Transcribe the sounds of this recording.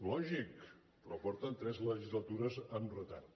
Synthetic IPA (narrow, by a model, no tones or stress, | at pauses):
lɔʒik | pɾɔpɔɾt̪ənt̪ɾɛzləʒizlət̪uɾəzəmrət̪a̰t̪